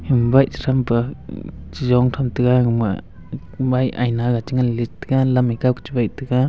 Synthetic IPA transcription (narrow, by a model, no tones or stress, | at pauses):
himbajti̥ɾʰamba | t͡ʃizɔŋtʰamtɯɡaŋma̰ | baja̰jnaɡat͡ʃiŋalistiɡalamikawkt͡ʃibajtɯɡa